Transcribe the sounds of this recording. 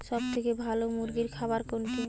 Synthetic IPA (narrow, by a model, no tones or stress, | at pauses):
ʃɔb̚t̪ʰekebʱalomuɾɡiɾkʰabaɾkonki